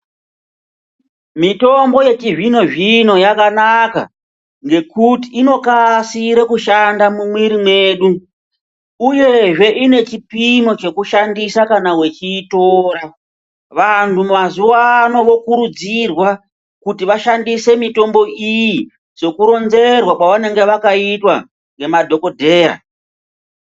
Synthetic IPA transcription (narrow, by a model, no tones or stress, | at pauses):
mito̞mbo̞je̞t͡ʃiʐino̞ʐino̞jakanaka̰ | ŋɡe̞kutiːno̞kasiɾe̞kuʃandamumwiɾimwe̞ːɗu | uje̞ʐe̞ʔine̞t͡ʃipimo̞t͡ʃe̞kuʃandisakanawet͡ʃiːto̞ːɾa | ʋantʰumazuwaːno̞ʋo̞kuɾud͡zirwa | kutiʋaʃandise̞mito̞mbo̞ʔiji | t͡ʃe̞kuɾo̞nze̞rwakwaʋane̞ŋɡe̞ʋakaitwa | ŋɡe̞madʱo̞ko̞dʱe̞ːra̰